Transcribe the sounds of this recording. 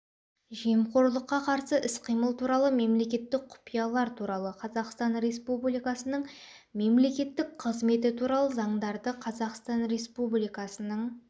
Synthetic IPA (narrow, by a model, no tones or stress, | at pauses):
ʒemqʰo̞ɾlˠəqːɑqʰɑɾsəʔɪsqʰijməlˠt̪ʰuɾɑlˠəme̞mle̞kʲe̞t̪ːɪk̚qʰʊ̥pijɑlˠɑɾt̪ʰuɾɑlˠəqʰɑzɑqst̪ɑnɾe̞spublijkɑsənəɴ | me̞mle̞kʲe̞t̪ːɪk̚qʰəzme̞t̪ɪt̪ʰuɾɑlˠəzɑɴd̪ɑɾd̪əqʰɑzɑqst̪ɑnɾe̞spublijkɑsənəɴ